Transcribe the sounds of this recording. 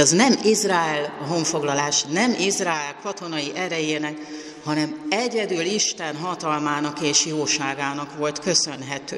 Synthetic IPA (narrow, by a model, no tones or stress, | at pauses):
ɒznɛmizraːɛlɒɦo̞ɱfo̞ɡlɒlaːʃnɛmizraːɛlkʰɒt̪o̞nɒjiʔɛɾɛjeːnɛk | hɒnɛmɛɟɛd̪yliʃt̪ɛnɦɒt̪ɒlmaːnɒkeːʃioːʃaːɡaːnɒkʋo̞lt̪kø̞sø̞nɦɛt̪øː